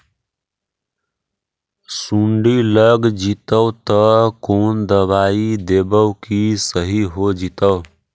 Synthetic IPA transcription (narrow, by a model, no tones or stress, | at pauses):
suɳɖiləɡd͡ʒit̪əwt̪əkond̪əbaid̪ebəʊkisəɦiɦod͡ʒit̪əʊ